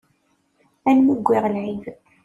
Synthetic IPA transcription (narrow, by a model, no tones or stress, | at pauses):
ænmuɡʷːiʁəlʕiv